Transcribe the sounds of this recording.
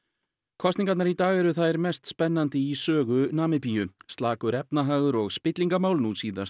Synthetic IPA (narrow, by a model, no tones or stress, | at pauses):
kʰɔsniŋkat̪naɾit̪aːɣɛɾʏθaðɛɾmɛst̪spɛnːant̪ɪisœːɣʏnaːmɪpijʏst̪laːkʏɾɛpnaɦaːɣʏɾɔɣspɪt̪liŋkamaːwlnuːt̪siːða̰s